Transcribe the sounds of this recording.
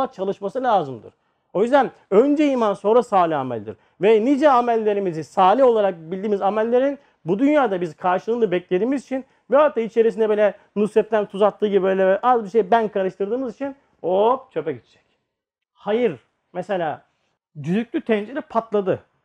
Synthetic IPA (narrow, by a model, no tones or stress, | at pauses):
at͡ʃʰalˠɯʃmasɯlʲaːzɯmd̪ɯ̰ɾ̥ | o̞jyzd̪æn | ø̞nd͡ʒɛimanso̞nɾasaːlʲiamɛ̰lʲd̪ḭɾ | vɛnid͡ʒɛamælʲːe̞ɾimizisaːlʲio̞lˠaɾak̚bilʲd̪iːmizamælʲːe̞ɾin | bud̪ynjaːd̪abizkʰaɾʃɯlˠɯːnɯbɛclʲe̞d̪iːmizit͡ʃʰin | bɛɦak̚t̪ʰːait͡ʃʰe̞ɾis̬ind̪ɛbilʲɛ | nusɛt̪̚t̪ʰːænt̪ʰuzat̪ʰːɯːɟibiø̞jlʲɛʔazbiʃejibænkʰaɾɯʃt̪ʰɯɾd̪ɯːmɯzit͡ʃʰin | ot͡ʃʰø̞pɛɟit͡ʃ̪ʰd͡ʒɛ̥c | hajɯɾ | mɛse̞lʲaː | d̪yzyk̚ʲlʲyt̪ʰɛnd͡ʒeɾipʰat̪lˠad̪ɯ